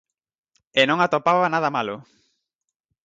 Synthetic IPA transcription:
enõŋat̪opaβanaðamalʊ

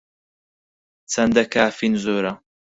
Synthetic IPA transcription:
t͡sʰɐnd̪ɐkaːfinzoːɾɐ

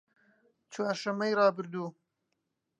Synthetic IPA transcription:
t͡ʃwɑːɾʃɐmɐjɾɑːbɨɾd̪uː

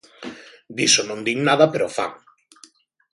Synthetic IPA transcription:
d̪isonõnd̪iŋnaðɐpeɾofa̰ŋ

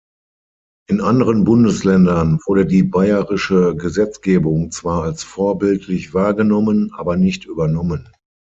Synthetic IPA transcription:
ʔɪnʔandəʁənbʊndəslɛndɐnvʊɐɾədiːbaɪəʁɪʃəɡəzɛt͡sɡ̥eːbʊŋt͡sv̥aːɐalsfoːɐbɪltʰlɪçv̥aːɐɡənɔmənʔa̰ːbɐnɪçtʔyːbɐnɔmən

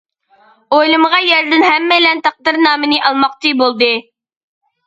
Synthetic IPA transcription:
ojlˠɨmʁɑjɛɾd̪ɪnɦɛmːɛlɛnt̪ʰɑq̚d̪ɨɾnɑːmɨnɨʔɑlˠmɑq̚t̪ɨbolˠd̪ɨ

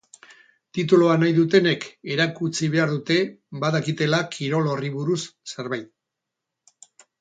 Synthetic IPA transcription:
t̪it̪̬uloanajðut̪e̞ne̞ke̞ɾakut͡siβe̞aɾðut̪e̞βaðakit̪e̞lakʰiɾo̞lo̞riβuɾusse̞ɾβajt̪̚

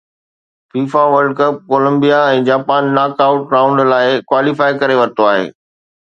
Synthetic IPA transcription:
fiːfaʋəɾɖ̚kəp̚koːlə̃mbijaɛ̃ːd͡ʑaːpaːnːaːkaːʊʈɾãːʊ̃ɳɖlaːɪkwaːlifaːikɐɾeʋɐɾɪt̪oaːɦḛː

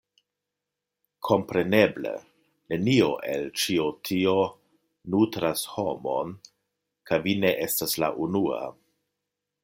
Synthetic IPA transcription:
kʰo̞mpɾe̞ne̞blḛ | ne̞nio̞ʔe̞lt͡ʃiotʰio̞ | nutɾasho̞mo̞̰n | kʰajvine̞ʔe̞stasla̰ʔunua̰

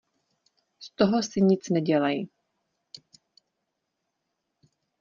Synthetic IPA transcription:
st̪oɦosɪɲɪt͡snɛɟɛlaji

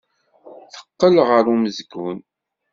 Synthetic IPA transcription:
θə̥qːəlʁəɾuməzɡun

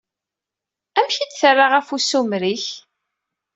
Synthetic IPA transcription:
æmçid̪θərˤːaʁæfusumɾiç

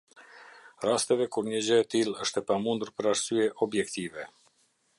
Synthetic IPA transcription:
rast̪ɛvɛkuɾɲəd͡ʑəɛt̪ilˠəʃt̪ɛpamund̪uɾpəɾaɾsyɛʔɔbjɛkt̪ivɛ

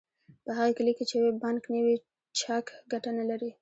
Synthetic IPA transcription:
pəɦaɣekaliket͡ʃejawebanknəwi | t͡ʃakɡaʈanalaɾi

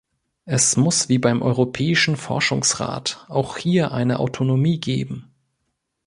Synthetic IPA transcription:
ʔɛsmʊsv̥iːbaɪmʔɔʏʁopʰɛːɪʃn̩fɔ̰ɐʃʊŋsʁa̰ːtʔaʊxhiːɐʔa̰ɪnəʔa̰ʊtʰonomiːɡḛːbm̩

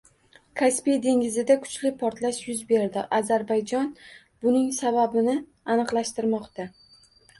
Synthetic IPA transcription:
kʰaspijd̪e̞ŋɪzɪd̪akʰʊ̥t͡ʃlɪpʰɒɾt̪laʃjʊzbe̞ɾd̪ɪʔazaɾbajd͡ʒɒn | bʊnɪŋsababɪnɪ | anɨqlˠaʃt̪ɪɾmɒqt̪ʰa

